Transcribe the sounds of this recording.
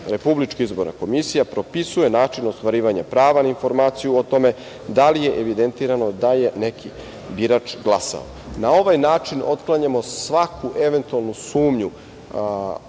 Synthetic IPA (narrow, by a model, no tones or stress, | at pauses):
ɾe̞publit͡ʃkiizbo̞ɾna̰ko̞misijapɾo̞pisuje̞naːt͡ʃinost̪ʋaɾiːʋaɲapɾaːʋanainfo̞ɾmaːt̪sijuot̪o̞me̞ | d̪alije̞ʔeʋid̪ent̪iːɾano̞d̪aje̞ne̞kʰi | biɾat͡ʃɡlˠasa̰o̰ | nao̞ʋajnaːt͡ʃino̞t̪klˠaɲamo̞sʋakʰuʔe̞ʋe̞nt̪ualˠnusuːmɲu